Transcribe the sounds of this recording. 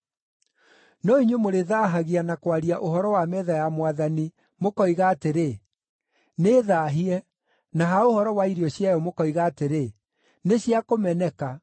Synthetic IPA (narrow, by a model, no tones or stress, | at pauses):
nɔiɲwemoɾeðaːɦaɣianakwaɾiaʔohɔɾɔwamɛðajamwaðani | mokɔiɣaːteɾe | neːðaɦiɛ | naɦaohɔɾɔwaiɾiɔɕjajɔmokɔiɣaːteɾe | neɕjakomɛnɛka